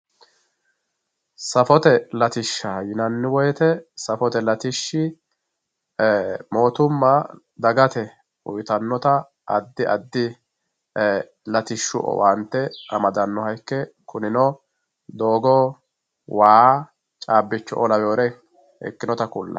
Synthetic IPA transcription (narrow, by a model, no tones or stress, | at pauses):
sɐfɔt̪ɛlɐt̪ɪʃːɐjɪnɐnːɪwɔjɛt̪ɛsɐfɔt̪ɛlɐt̪ɪʃːɪ | mo̞ːt̪ʊmːɐ | d̪ɐɡɐt̪ɛ | ʊ̰jt̪ɐnːɔt̪ɐ | ʔɐd̪ːɪʔɐd̪ːɪ | lɐt̪ɪʃːʊʔɔ̰wɐnt̪ːɛɐmɐd̪ɐnːɔhɐjkːɛkʊnɪnɔ | d̪o̞ːɡɔ | waː | t͡ʃʼaːbːɪt͡ʃːɔ̰ʔɔlɐwoːɾɛ | ɛ̰kːɪnɔt̪ɐkʊlːɐ̰